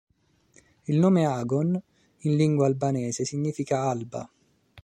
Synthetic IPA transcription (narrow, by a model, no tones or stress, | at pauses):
ilnoːmeaːɡɔn | inliŋɡwaːlbanɛːsesiɲːiːfikaalba̰